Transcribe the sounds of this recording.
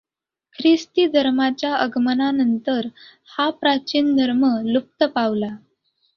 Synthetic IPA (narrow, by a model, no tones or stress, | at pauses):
kʰɾist̪id̪ʱəɾmat͡ɕjaəɡmənanənt̪əɾ | hapɾat͡ɕiːnd̪ʱəɾməlup̚t̪əpaʋla